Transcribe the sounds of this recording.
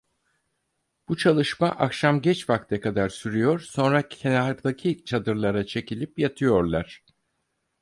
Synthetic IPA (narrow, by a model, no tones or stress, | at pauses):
b̥ut͡ʃʰalˠɯʃmaʔakʃamɟɛt͡ʃfakt̪ʰɛkad̪aɾsyɾyjo̞ɾ̥so̞nɾaenakd̪acʰit͡ʃʰad̪ɯɾlˠaɾat͡ʃʰe̞cilʲipjat̪ʰɯjo̞ɾlˠaɾ̝̥